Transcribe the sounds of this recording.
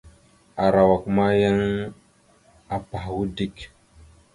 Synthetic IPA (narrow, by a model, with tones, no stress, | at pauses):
a˨ɾa˨wa˨kma˦ja˦ŋ | a˨pa˨hwu˦di˦k